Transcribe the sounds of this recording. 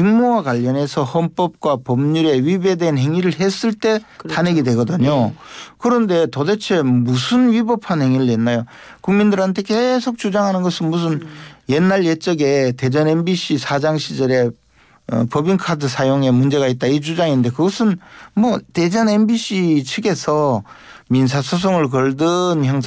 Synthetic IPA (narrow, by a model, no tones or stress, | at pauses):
t͡ɕiŋmowakwaʎːʌne̞sʰʌhʌnp͈ʌp̚k͈wapʌmɲuɾe̞ɥibe̞deɦanɦe̞ŋiɾɯɭɦe̞s͈ɯɭt͈e̞tane̞ɡidwe̞ɡʌdɯɲokɯɾʌnde̞todet͡ɕʰe̞musʰɯnɥibʌpʰanhe̞ŋiɾɯɭjenːajo | kuŋmindɯɾɦantʰe̞ke̞sʰok̚t͡ɕ͈ud͡ʑaŋɦanɯnɡʌsʰɯnmus̬ʰɯnje̞nːaɭjet͡ɕ͈ʌɡe̞te̞d͡ʑʌne̞mbiɕ͈isʰad͡ʑaŋɕʰid͡ʑʌɾe̞ | ʌ̰pʌbinkʰadɯs̬ʰajoŋe̞mund͡ʑe̞ɣait̚t͈ait͡ɕud͡ʑaŋinde̞kɯɡʌsʰɯnmwʌte̞d͡ʑʌne̞mbiɕ͈ʰit͡ɕʰɯɡe̞sʰʌ | mins̬ʰasʰos̬ʰoŋɯɭk̬ʌɭdɯnçjaŋ